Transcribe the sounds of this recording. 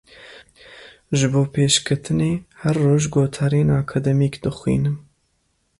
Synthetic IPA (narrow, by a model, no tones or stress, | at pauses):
ʒɨboːpʰeːʃkʰɨt̪ʰɨneːhɛɾːoːʒɡoːt̪ʰaːɾeːnakʰad̪ɛmiːkd̪ɨxwḭːnɨm